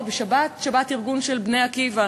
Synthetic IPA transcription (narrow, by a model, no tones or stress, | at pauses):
beʃabatʃabatiʁɡunʃelbneakiva